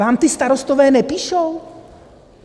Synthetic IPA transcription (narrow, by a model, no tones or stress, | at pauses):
aːmt̪ɪst̪aɾost̪ovɛːnɛpiːʃow